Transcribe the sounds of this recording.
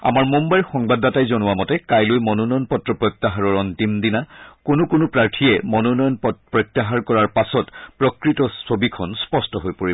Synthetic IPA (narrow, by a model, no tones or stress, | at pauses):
a̰maɹmumbajɹxɔŋbadatajzonʊwamɔtɛkajlojmɔnɔnɔjɔnpɔtɹɔpɹɔt̪ːaɦaɹɔɹɔntimdinakonʊkonʊpɹaɹtʰijɛmɔnɔnɔjɔnɔpɹɔjt̪ːaɦaɹkɔɹaɹpasɔtpɹɔkɹitɔsobikʰɔnspɔstɔɦojpoɹi